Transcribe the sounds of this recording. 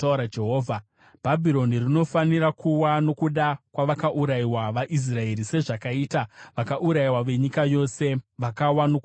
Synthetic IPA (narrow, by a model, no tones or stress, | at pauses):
auɾad͡ʒeɦoːvʱa | b̥ʱabʱiɾo̞nirino̞faniɾakuwano̞kuɗakwaʋakaʔuɾaiwaʋaʔis̬rae̞ɾise̞ʐakaitaʋakaʔuɾaiwaʋe̞ɲikajo̞se̞ʋakawanok